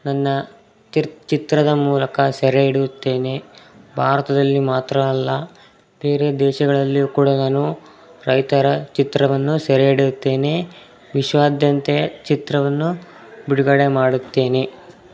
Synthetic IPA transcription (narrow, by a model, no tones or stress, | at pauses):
nɐnːɐ | t͡ʃit̪ɾɐd̪ɐmuːlɐkɐsɛɾeiɽijut̪ːe̞ːnebʱaːɾɐt̪ɐd̪ɐlːimaːt̪ɾɐːlːɐ | b̥e̞ːɾe̞d̪ɛːʃɐɡɐɭɐlːikuːɽɐnaːnu | ɾɐjt̪ɐɾɐt͡ʃit̪ɾɐʋɐnːusɐɾeɽiɾut̪ːe̞ːne | ʋiʃʋaːd̪jɐnt̪ejɐt͡ʃit̪ɾɐʋɐnːu | biɽuɡɐɽe̞maːɽut̪ːe̞ːne